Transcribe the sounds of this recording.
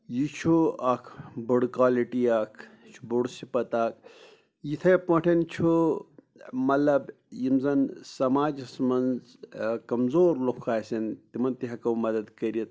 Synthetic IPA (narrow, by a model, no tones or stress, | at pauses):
jit͡ʃʰuɐkʰbɐɽkaːliʈiakʰt͡ʃʰu̥buɽsipɐt̪aːk̚ʰ | jit̪ʰɐpɐʈʰɐnt͡ʃʰu | mɐlɐb | jimzɐnsɐmaːd͡ʒɐsmɐnz | kɐmzoːɾlokʰːaːsʲɐnt̪imɐnt̪iɦɐkɐwmɐd̪ɐd̪kɐɾiɐt̪̚